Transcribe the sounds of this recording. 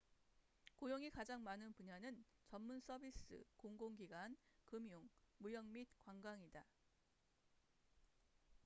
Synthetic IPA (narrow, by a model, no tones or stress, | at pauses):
kojoŋikad͡ʑaŋmanɯnpuɲanɯnt͡ɕʌnmuns͈ʰʌbis͈ɯ̰koŋɡoŋɡiɡwankɯmjoŋmujʌŋmit̚kwaŋɡwaŋida